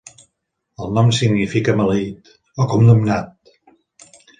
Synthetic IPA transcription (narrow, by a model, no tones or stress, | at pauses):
əlˠnɔmsiɡnifikəməlit̪ | okumnumnat̪̚